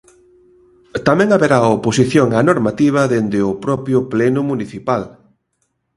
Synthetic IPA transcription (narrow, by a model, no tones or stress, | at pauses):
t̪amɛ̃ŋaβeɾaoposiθjoŋanoɾmat̪iβ̞ɐðend̪ɪʊpɾɔpjʊplɛnʊmuniθipal